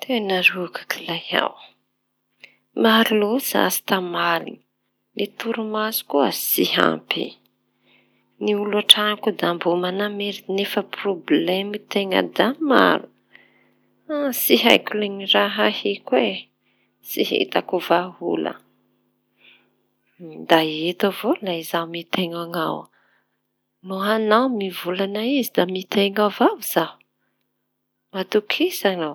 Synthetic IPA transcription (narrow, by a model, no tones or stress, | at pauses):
t̪ʰenarukʰḁkʰi̥laja̰w | maɾiloza̰zi̥t̪amalḭn | let̪uɾumazu̥kuasiɦa̰mpḭ | niulaʈ͡ʂanakud̪ambumanameɾiinefəproblemit̪eŋə̰d̪ama̰ɾu̥ | asiɦa̰jkuleŋiraɦahikwe | siɦḛt̪akuvaɦṵlə̰ | d̪aet̪avolaizawmit̪eŋaŋa̰w | nuɦanawmivulanaizid̪amit̪eŋavaviz̥au | mat̪ukʰisaŋa